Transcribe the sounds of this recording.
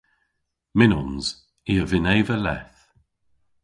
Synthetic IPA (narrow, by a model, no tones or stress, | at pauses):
mɪnɔnz̥ | iəvɪnejvəlɛ̰θ